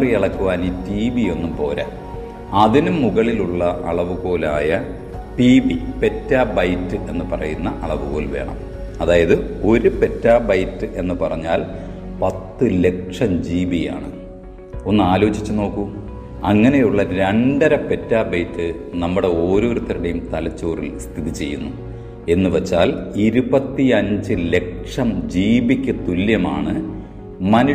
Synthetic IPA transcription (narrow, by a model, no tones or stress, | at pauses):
riɐɭɐkːuʋaːniːtiːbijo̞nːumpo̞ːlɐ̰ | ɐðinumːuɣɐɭiluɭːɐʔɐ̰ɭɐʋuɣo̞ːlaːjɐ | ʈiːbipe̞tːaːbɐjtːɨʔe̞nːɨpɐrɐ̰junːɐʔɐɭɐʋuɣo̞ːlʋe̞̰ːɳɐ̰m | ɐðaːjɐðɨo̞ɾupe̞tːaːbɐjtːɨʔe̞nːɨpɐrɐɲːaːl | pɐt̪ːɨle̞kʂɐmd͡ʑiːbija̰ːɳɨ̰ | o̞nːɨaːlo̞ːd͡ʑit͡ɕːuno̞ːkːu | ɐŋːɐnejuɭːɐɾeɳɖɐɾɐpe̞tːaːbɐjtːɨ | nɐmːuɽe̞o̞ːɾo̞ːɾut̪ːɐɾiɽejumt̪ɐlɐt͡ɕːo̞ːrḭlst̪ʰiðit͡ɕe̞̰jːunːu | e̞nːɨʋet͡ɕːaːliɾubɐt̪ːiɐɲd͡ʑɨle̞kʂɐmd͡ʑiːbikʲːɨt̪uljɐma̰ːɳɨ | mɐnu